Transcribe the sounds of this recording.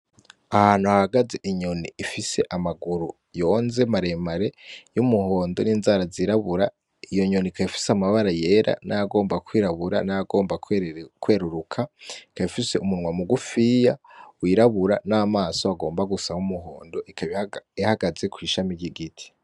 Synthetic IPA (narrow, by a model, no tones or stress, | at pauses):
ahaːnhuhahaɡaze̞ʔiɲoniːfise̞̰ʔamaɡuɾu | jo̞ːnze̞maɾe̞maɾe̞jumuho̞ːndoniːnzaːɾaziɾaβuɾa | ijo̞ɲonikaβifi̥seamaβaɾaje̞ɾʔa̰najaɡo̞ːmbakwiːɾaβuɾa̰najaɡo̞ːmbakkwe̞ːɾuɾukʰaikaβifise̞ʔumunŋwamuɡufijawiɾaβuɾanaːmaːso̞aɡo̞ːmbaɡusahumuɦo̞ːndo̞ʔikʰaβiihaɡaze̞kwiːʃamiɾɟiɡitʰi̥